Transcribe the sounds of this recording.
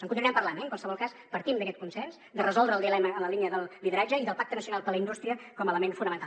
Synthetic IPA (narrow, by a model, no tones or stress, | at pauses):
əŋkuniuɛmpərlanɛŋkwalˠsəβɔlˠkaspəɾt̪imd̪əkɛt̪̚kunsɛnsd̪ərəzɔlˠd̪ɾəlˠiəlɛməːnləliniəðəlˠliðəɾad͡ʒəiðəlˠpak̚t̪ənəsiunalˠpəɾləindust̪ɾiəkɔmələmenfunəmənt̪a